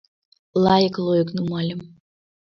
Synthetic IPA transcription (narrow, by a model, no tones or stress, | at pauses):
lɑjəklˠojəknumɑlʲəm